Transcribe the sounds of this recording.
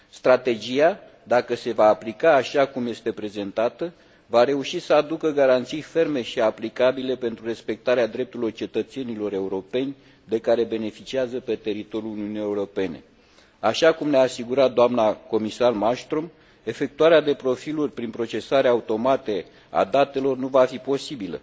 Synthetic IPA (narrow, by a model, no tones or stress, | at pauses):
st̪ɾat̪e̞d͡ʒija | d̪akəse̞vaːplikaːʃakumje̞st̪e̞pɾe̞ze̞nt̪at̪ə | vaɾe̞uʃisəad̪ukəɡaɾant̪sijfe̞rme̞ʃiaplikabile̞pe̞nt̪ɾure̞spe̞k̚t̪aɾead̪ɾe̞p̚t̪uɾilo̞rt͡ʃe̞t̪ət̪se̞nilo̞ɾe̞uɾo̞pe̞nʲ | d̪e̞kaɾe̞be̞ne̞fit͡ʃiazəpe̞t̪e̞ɾit̪o̞ɾjuluniunijeuɾo̞pe̞ne̞̰ | aʃakumneaːsiɡuɾat̪̚d̪oamnako̞misarmast̪ɾom | e̞fe̞k̚t̪uaɾead̪e̞pɾo̞filurʲpɾinpɾo̞t͡ʃe̞saɾeaut̪o̞mat̪e | a̰d̪at̪e̞lo̞rnuvafipo̞sibilə̰